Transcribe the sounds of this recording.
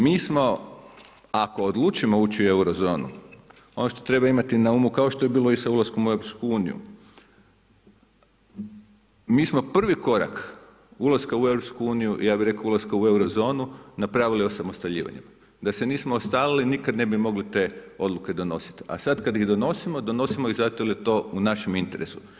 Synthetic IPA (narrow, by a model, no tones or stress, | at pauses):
miːsmo̞ | ako̞ːd̪lˠuːt͡ʃimo̞uːt͡ɕiue̞uɾo̞zo̞ːnṵ | o̞noʃt̪ot̪ɾe̞baimat̪inaumukaoʃt̪o̞jebiːlo̞isaulˠasko̞mue̞wɾoopskuuːnḭjṵ | miːsmo̞pr̩ʋiko̞ɾa̰k | ulˠaskaue̞vwɾopskuuːnijuʔḭjaːbiɾe̞kaulˠaskaue̞wɾo̞zo̞ːnunapɾaʋilio̞samost̪aʎḭːʋa̰ɲḛm | d̪ase̞niːsmoːst̪aːlilinikad̪ne̞bimo̞ɡlit̪e̞o̞d̪luke̞d̪o̞no̞si̥t̪ia̰sad̪kad̪ihd̪o̞no̞simo̞d̪o̞no̞simoizat̪oljet̪o̞ːunaʃemint̪e̞ɾe̞su̥